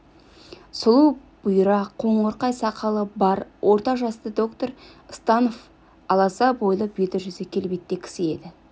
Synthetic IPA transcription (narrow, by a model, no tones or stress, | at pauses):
sʊlˠuw | b̥ʊjɾɑqʰo̞ɴoɾqɑjsɑqʰɑlˠəbɑɾwʔo̞ɾt̪ɑʒɑst̪əd̪o̞kt̪oɾəst̪ɑnof | ɑlˠɑsɑbo̞jlˠəbet̪ɪɾʒʏzɪkʲʰe̞lbet̪ːekʲʰɪ̥sɪe̞d̪ɪ